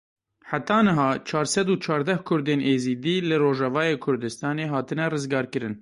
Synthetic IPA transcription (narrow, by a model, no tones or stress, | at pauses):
ħat̪ɑːnɨɦɑːt͡ʃʰɑːɾsɛd̪uːt͡ʃʰɑːɾd̪ɛhkʰʊɾd̪eːnʔeːziːd̪iːlɨroːʒɛvɑːjeːkʰʊɾd̪ɨst̪ɑːneːɦɑːt̪ɨnɛrɨzɡɑːɾkɨɾɨn